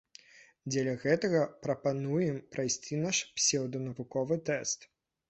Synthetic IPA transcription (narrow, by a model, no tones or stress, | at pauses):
d͡zʲɛlʲɐɣɛt̪ɐɣɐpɾɐpanujɛmpɾajsʲt͡sʲinaʂpsʲɛwd̪ɐnɐvukɔvɨt̪ɛst̪